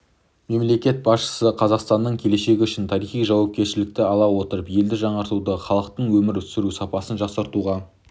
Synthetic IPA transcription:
me̞mle̞kʲe̞t̪̚bɑsʃə̥səqʰɑzɑqst̪ɑnːəɴkʲʰe̞le̞ʃe̞ɡʲɪʏʃɪnt̪ʰɑɾijχijʒɑwɑp̚kʲe̞ɾʃɪlɪk̚t̪ɪɑlˠɑwo̞t̪əɾəpje̞ld̪ɪʒɑɴɑɾt̪ud̪əχɑlˠəq̚t̪əɴwɵmɪɾʏt̪sɪɾusɑpɑsənʒɑsəɾt̪uʁɑ

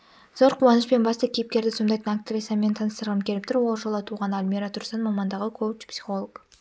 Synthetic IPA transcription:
z̥oɾqʰuwɑnəʃpe̞nbɑst̪ɑkʲʰejɪp̚kʲe̞ɾd̪ɪsond̪ɑjt̪ənakt̪ivʲisɑme̞nt̪ʰɑnəst̪əɾʁəmkʲʰeɪp̚t̪ɪɾwo̞lˠʒolˠət̪ʰuʁɑnalmʲiɾat̪ʰʊɾsɑnmɑmɑnd̪ɑʁəkʰot͡ʃpsi̥χo̞lˠok

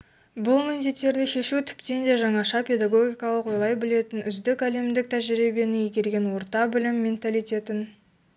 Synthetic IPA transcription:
bʊlˠmend̪e̞t̪ːe̞ɾd̪ɪʃe̞ʃut̪ʰʏ̥pt̪e̞nd̪eʒɑɴɑʃɑpʲʰe̞d̪aɡo̞ɡʲijkɑlˠəqwo̞jlˠɑjbɪle̞t̪ɪnʏzd̪ɪkæle̞md̪ɪk̚t̪ʰæʒɪɾibe̞nɪjeɡʲe̞lɡʲe̞nwo̞ɾt̪ɑbɪlɪmːe̞nt̪alijt̪ʲe̞t̪ɪn

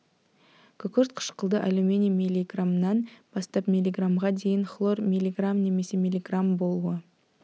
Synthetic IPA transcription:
kʲʰʏkʲʏɾt̪qʰə̥ʃqəlˠd̪əʔalumʲenʲijamʲilʲːiɡramnɑnb̥ɑst̪ɑpmʲilʲːiɡramʁɑd̪e̞jɪŋχlˠo̞rmʲilʲːiɡramne̞me̞se̞mʲilʲiɡrambo̞lˠuə

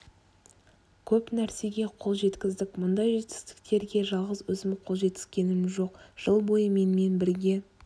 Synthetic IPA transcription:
kʲʰɵpnæɾse̞ɡʲe̞qʰo̞lˠʒe̞t̪kʲɪzd̪ɪkʲmʊnd̪ɑjʒe̞t̪ɪ̥st̪ɪ̥kt̪e̞ɾɡʲe̞ʒɑlˠʁəzwɵzɪmqʰo̞lˠʒe̞t̪ːɪ̥skʲe̞nɪmʒo̞qʒ̥əlˠbo̞jəme̞nme̞nbɪɾɡʲe̞

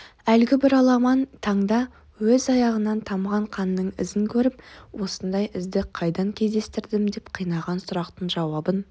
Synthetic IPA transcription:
ælɡʲɪbɪɾɑlˠɑmɑnt̪ʰɑɴd̪ɑ | wɵzɑjɑʁənɑnt̪ʰɑmʁɑɴqʰɑnːəɴɪ̰zɪŋkʲʰɵɾɪpwo̞sənd̪ɑjɪzd̪ɪqʰɑjd̪ɑŋkʲʰe̞zd̪e̞st̪ɪɾd̪ɪmd̪e̞pqʰijnɑʁɑnsʊɾɑqt̪əɴʒɑwɑbən

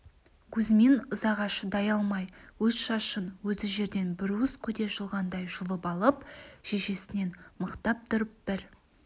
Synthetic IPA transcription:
kʲʰɵzme̞nʊzɑʁɑʃəd̪ɑjɑlˠmɑjwɵzʃɑʃənwɵzɪʒe̞ɾd̪e̞nbɪɾuʊzkʲʰɵd̪e̞ʒəlˠʁɑnd̪ɑjʒʊlˠəpɑlˠəpʒ̥eʃe̞sɪne̞nməqt̪ɑp̚t̪ʰʊɾəp̚b̥ɪɾ

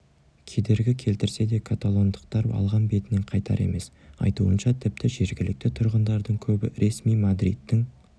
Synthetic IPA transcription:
kʲʰe̞d̪e̞ɾɡʲɪkʲʰe̞lt̪ɪɾse̞d̪e̞kʰat̪alˠo̞nd̪əqt̪ɑɾɑ̰lˠʁɑnbe̞t̪ɪneɴqʰɑjt̪ʰɑ̰ɾe̞̰me̞s | ɑ̰jt̪uənʃɑt̪ʰɪp̚t̪ɪʒe̞ɾɡʲɪlɪk̚t̪ɪt̪ʰʊɾʁənd̪ɑɾd̪əɴkʲʰɵbɪɾe̞smijmad̪ɾḭt̪ːɪŋ

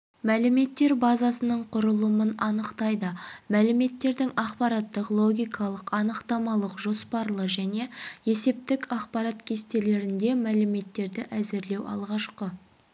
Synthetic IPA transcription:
mælɪme̞t̪ːe̞ɾbɑzɑsənəɴqʰʊɾəlˠəmənɑnəqt̪ɑjd̪əmælɪme̞t̪ːe̞ɾd̪ɪŋɑqpɑɾɑt̪ːəqlˠo̞ɡʲijkʰɑlˠəqɑnəqt̪ɑmɑlˠəqʒo̞spɑɾlˠəʒæne̞je̞se̞p̚t̪ɪkɑqpɑɾɑt̪kʲʰe̞st̪e̞le̞ɾɪnd̪e̞mælɪme̞t̪ːe̞ɾd̪ɪʔæzɪɾle̞wɑ̰lˠʁɑʃqə

